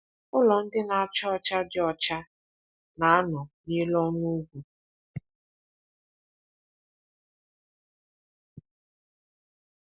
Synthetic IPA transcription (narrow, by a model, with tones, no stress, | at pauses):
ʊ˦lɔ˨n̩˦dɪ˦na˨a˨t͡ʃɔ˦ɔ˦˨t͡ʃa˦dɪ˦ɔ˦˨t͡ʃa˦ | na˨a˦nɔ˨ɲe˦lɔ˦nu˦ɡʷu˨